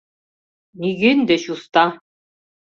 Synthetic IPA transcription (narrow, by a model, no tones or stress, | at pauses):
niɡɘnd̪ɛɕust̪ɑ